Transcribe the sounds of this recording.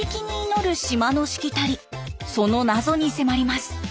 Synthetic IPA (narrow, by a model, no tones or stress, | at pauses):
ekʲiɲ̟iːno̞ɾɯ̟ɕimano̞ɕi̥kʲit̪aɾʲiso̞no̞nazo̞ɲ̟ise̞maɾʲimasɨ̥